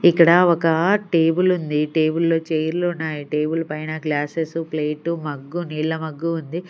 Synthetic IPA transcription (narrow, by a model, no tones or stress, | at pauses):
ikːɐɽɐɔkɐʈe̞ːbulund̪iʈe̞ːbulːo̞ːt͡ʃeːjɾlunːaːjiʈe̞ːbulpɐjnɐɡlaːsesupleːʈumɐɡːuniːɭːɐmɐɡːuːnd̪i